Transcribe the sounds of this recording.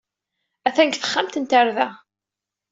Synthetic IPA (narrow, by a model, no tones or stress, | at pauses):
æθæŋkθə̥χːamt̪ənt̪əɾðæ